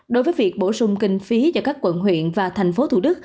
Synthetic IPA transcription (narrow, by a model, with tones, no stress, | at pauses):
ɗo˨˦jvəː˨˦jvi˨˩ək̚ɓo˧˩sʊ˧ŋ͡mkï˧ŋ̟fi˨˦zaː˧˩kaː˦˥kːwə̰˧˨nɦwḭ˧˨ənvaː˨˩t̪ʰɛ˨˩ŋ̟fo˨˦t̪ʰṵ˧˩ɗɨ˦˥k̚